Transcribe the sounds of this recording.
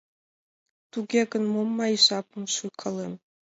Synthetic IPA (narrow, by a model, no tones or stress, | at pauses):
t̪uɡʲeɡə̆nmomːɑiʃɑpɤmʃuqʰɤ̆lem